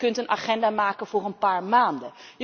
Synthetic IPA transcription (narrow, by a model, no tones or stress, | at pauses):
kɵntənʔaχɛndaːmaːkənv̥ʊːrənpaːɹmaːndəjə